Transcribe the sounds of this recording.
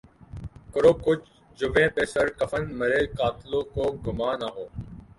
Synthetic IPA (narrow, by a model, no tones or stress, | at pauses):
kəɾoːkʊt͡ʃ | d͡ʒʊʋẽːpeːsəɾkəfənməɾeːkaːt̪loːkoːɡʊmaːnaːɦoː